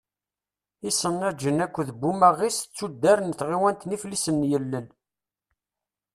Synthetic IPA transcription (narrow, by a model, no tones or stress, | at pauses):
isənːæd͡ʒənækʷːðəbːumæʁist͡sːud̪ːæɾənθʁiwænt̪niflisənːjəlːəl